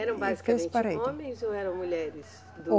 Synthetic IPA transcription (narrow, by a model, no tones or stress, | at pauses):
ɛɾɐ̃w̃bazikẽpaɾẽjõmẽj̃zowɛɾɐ̃w̃muʎɛɾɪs | d̪o